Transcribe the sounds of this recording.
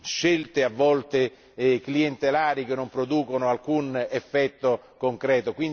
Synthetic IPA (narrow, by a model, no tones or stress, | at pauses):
ʃelt̪eavːɔlt̪e | klient̪elaːɾikenːompɾod̪uːkonoalkunefːɛt̪ːo | koŋkɾɛːt̪okwin